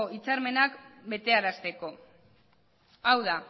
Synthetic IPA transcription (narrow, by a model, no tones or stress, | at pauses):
oit͡saɾme̞nakbe̞t̪e̞aɾast̪e̞ko̞ | awða